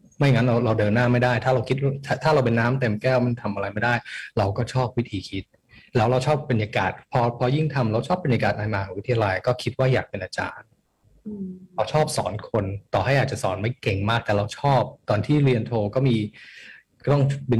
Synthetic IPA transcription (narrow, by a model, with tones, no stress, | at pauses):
ma˥˩jŋa˦˥nɾa˧wɾa˧wdɤː˧nːaː˥˩ma˥˩jdaː˥˩jt̪ʰaː˥˩ɾa˧wkʰi˦˥t̪̚t̪ʰa˥˩t̪ʰaː˥˩ɾa˧wp̬e˧nːaː˦˥mt̪e˨˧mkɛː˥˩wma˥˩nt̪ʰa˧mʔa˧ɾa˧jma˥˩daː˥˩jɾa˧wkɔː˥˩t͡ɕʰɔː˥˩p̚wi˦˥t̪ʰiː˧kʰi˦˥t̪̚ | lɛː˦˥wɾa˧wt͡ɕʰɔː˥˩pːe˧njaː˧ka̰ː˨˩t̪̚pʰɔː˧pʰɔː˧ji˥˩ŋt̪ʰa˧mɾa˧wt͡ɕʰɔː˥˩pːe˧njaː˧kaː˨˩t̪̚ʔaː˧jmaː˧kʰɔː˨˩˦ŋwi˦˥t̪ʰi˧a˧la˧jkɔː˥˩kʰi˦˥t̪̚waː˥˩jaː˨˩k̚pe˧nʔaː˧t͡ɕa̰ː˧n | ɾa˧wt͡ɕʰɔː˥˩p̚sɔː˩˦nkʰo˧nt̪ɔː˨˩ɦa˥˩jaː˨˩k̚t͡ɕa˨˩sɔ̰ː˩˦nma˥˩jke˧˩ŋmaː˥˩k̚t̪ɛː˨˩ɾa˧wt͡ɕʰɔː˥˩p̚t̪ɔː˧nt̪ʰiː˥˩ɾi˧ənt̪ʰoː˧kɔː˥˩miː˧˥ | t̪ɔ˥˩ŋbi˧